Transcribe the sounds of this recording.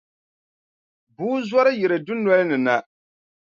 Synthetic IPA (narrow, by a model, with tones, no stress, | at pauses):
buː˦zɔ˦ɾɨ˦jɛ˨ɾɨ˨dʊ˦nɔ˦lnɨ˨na˨